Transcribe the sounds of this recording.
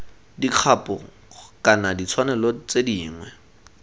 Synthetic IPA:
diq͡χʰapʊ | kʼanadit͡sʰwanɛlɔt͡sediːŋwɛ

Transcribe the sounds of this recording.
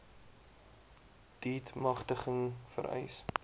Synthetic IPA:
d̥iːtmɐχtəχəŋfə̰ɾɛ̰js

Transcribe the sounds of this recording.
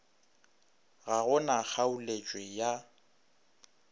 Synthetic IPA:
ɣaɣʊnak͡xʰaulet͡ʃʼwɛja

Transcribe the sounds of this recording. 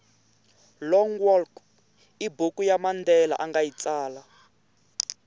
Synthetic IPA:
lɔŋwɔlk | ibukujamandɛla̰ʔaŋɡajit͡saːla

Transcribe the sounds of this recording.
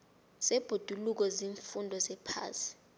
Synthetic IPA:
sɛb̥ʱod̥ʱuluk̬ɔziːɱfundʱɔsɛpʰa̰ːsi̥

